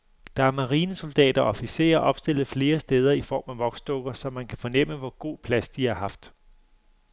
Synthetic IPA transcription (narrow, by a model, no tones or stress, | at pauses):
d̥ɑ̈æɐmɑ̈ʁiːnəso̝ld̥ɛ̰ːd̥ɐɒfise̝̰ːɐʔɒ̽b̥sd̥e̝l̰ð̩ˠfle̝ːɐsd̥eːð̞ˠɐifɒ̰ːmæʋɒ̽ɡ̥sd̥ɔ̽ɡ̥ɐsɒ̽mænkʰæfɒ̽nem̰əʋɒɡ̥o̝̰ːpʰlæsd̥iɑ̈ɦɑ̈fd̥